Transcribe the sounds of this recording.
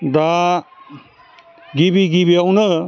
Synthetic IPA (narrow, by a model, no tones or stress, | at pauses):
d̪a | ɡibiɡibiawnɯ